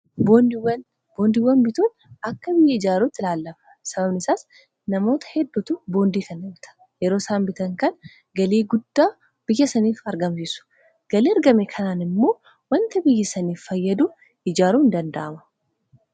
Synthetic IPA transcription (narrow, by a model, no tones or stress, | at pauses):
bowɐn | bo̞ːnd̪ɪwːɐnbɪt̪uːn | ɐkːɐbɪjːɐɪd͡ʒaːɾut̪ːɪlaːlːɐfɐ̥sɐbɐbnɪsaːs | nɐmo̞ːt̪ɐ̥hɛd̪ːʊt̪ʊbo̞ːnd̪iːkɐnːɐmt̪ʰɐ̥ | jɛɾo̞ːsaːmbɪt̪ɐŋkɐn | ɡɐleːɡʊd̪ːaː | b̥ɪjːɐsɐniːfɐɾɡɐmsiːsʊ̥ | ɡ̥ɐleːɐɾɡɐmɛkʰɐnaːnɪmːo̞ː | wɐnt̪ɐbɪjːɐsɐniːfːɐjːɐd̪ʊ | ɪd͡ʒaːɾuːɪnd̪ɐnd̪ɐʔɐmɐ̥